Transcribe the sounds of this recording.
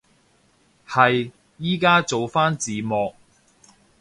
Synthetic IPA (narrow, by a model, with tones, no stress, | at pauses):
hɐ˨j | jiː˥kaː˥t͡so˨wfaː˥nt͡siː˨˧mɔː˨k̚